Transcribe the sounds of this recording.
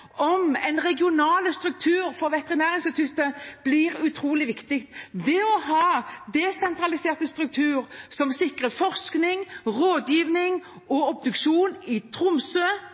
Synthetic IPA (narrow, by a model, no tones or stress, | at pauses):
ɔmɛnʁɛɡɪʊnɑːləst̪ɾʉk̚t̪ʰʉːʁfɔʁʋɛt̪ɛʁɪnæːʁɪnsɪt̪ʰʉt̪ːəb̥liːʁʉt̪ʰʁuːlɪʋɪkt̪ɪkt̪d̪ɛɔɦɑːd̪ɛsɛnt̪ʁɑlɪseːʁt̪əst̪ʁʉk̚t̪ʰʉːʁsɔmsɪkʁəfɔʁsknɪŋʁoːd̪jiːʋnɪŋ | ɔɔp̚d̪ʉkʃuːnɪt̪ʰʁʊmsøː